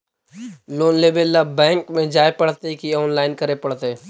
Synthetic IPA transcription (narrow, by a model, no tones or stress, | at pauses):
loːnleːbelːabɛ̃ːŋkmẽd͡ʒaːepɐɽt̪ekiɔːnlaːɪnkɐɾepɐɽt̪eː